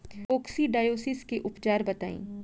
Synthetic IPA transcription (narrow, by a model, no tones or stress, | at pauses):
oːksiɖaːjoːsɪskeʔʊpd͡ʒaːɾbɐt̪a̰ːḭ̃ː